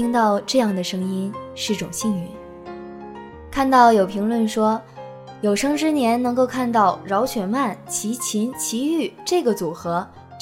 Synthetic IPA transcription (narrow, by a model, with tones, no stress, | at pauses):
i˥ŋt̪ɑ˥˧ʊʈ͡ʂɤ˥˧jɑ˥˩ŋd̪ə˩ʂɤ˥ŋi˥nʂɻ̩˥˩ʈ͡ʂʊ˨˩ŋɕi˥˩ŋy˧˥n | kʰa˥˧nt̪ɑ˥˩ʊjo˨˩ʊpʰi˧˥ŋlwə˥˩nʂwɔ˥ | jo˨˩ʊʂɤ˥ŋʈ͡ʂɻ̩˥njɛ˧˥nnɤ˧˥ŋko˥˧ʊkʰa˥˧nt̪ɑ˥˩ʊɻɑ˧˥ʊt͡ɕʰɥɛ˨˩nma˥˩nt͡ɕʰi˧˥t͡ɕʰi˧˥nt͡ɕʰi˧˥y˥˩ʈ͡ʂɤ˥˩ɡə˩t͡su˨˩xɤ˧˥